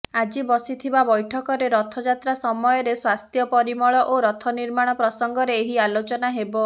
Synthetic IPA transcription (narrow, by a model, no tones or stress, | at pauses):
ad͡ʒibɔsit̪ʰibabɔjʈʰɔkɔɾeɾɔt̪ʰɔd͡ʒat̪ɾasɔmɔjɔɾeswast̪ʰjɔpɔɾimɔɭɔʔoɾɔt̪ʰɔniɾmaɽ̃ɔpɾɔsɔŋɡɔɾeːɦialot͡ʃɔnaɦebɔ